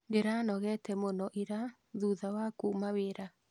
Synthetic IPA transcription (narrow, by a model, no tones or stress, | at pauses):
ɡeɾanɔɣɛtɛmonɔʔiɾa | ðuðawakuːmaweɾa